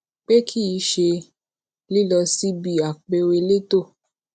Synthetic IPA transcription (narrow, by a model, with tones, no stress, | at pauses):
k͡pe˦kʰi˦i˧ʃe˧ | li˦˨lɔ˧si˦bi˦˨a˨k͡pe˧we˧le˦to˦˨